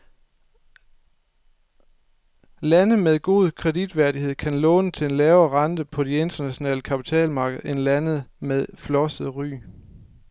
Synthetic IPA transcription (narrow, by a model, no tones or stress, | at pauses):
lænð̩meðˠɡ̥o̝ð̞ˠkʰʁɛdid̥ʋæɐdihe̝ð̞̰ˠkʰænlɔ̽ːnət͡sʰe̝le̝nlɛːʊɐʁɑ̈nd̥əpʰɒ̽die̝nd̥ɐnæɕo̝nɛ̰ːləkʰæpʰi̥t͡sʰɛ̰ːlmɑ̈ːɡ̥əð̩ˠe̝nlænð̩ˠmeðˠflɒ̽səð̩ˠʁy̰ː